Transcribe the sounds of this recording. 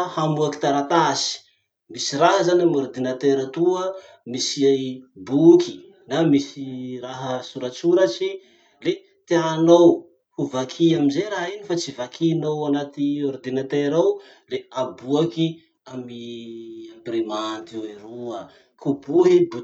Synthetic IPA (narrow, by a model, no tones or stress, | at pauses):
hamuaki̥t̪aɾat̪asi̥ | misiɾaɦəzanamoɾd̪inat̪eɾat̪uə | misiabuki̥ | namisiraɦəsuɾat͡suɾat͡ʃi | le | t̪eanow | huvakʰiaminzeɾaɦinifat͡sivakʰinowanat̪ioɾd̪inat̪eɾaw | leabuaki | amiambirimant̪oeɾuə | kubuɦibu